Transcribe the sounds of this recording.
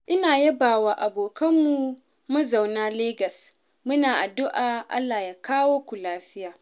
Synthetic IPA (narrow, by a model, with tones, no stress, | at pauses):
ʔɪ˦naː˨jɐ˦baː˨waː˨ʔa˨boː˨kɐ˦mːu˦˨ | mɐ˦za˨wnaː˦leː˦ɡɐ˨s | mʊ˦naː˨ʔa˨dʊ˦ʔaː˨ʔa̰˦lːaː˨jaː˦kaː˦woː˦kʷu˨laː˦ɸɪ˦jaː˨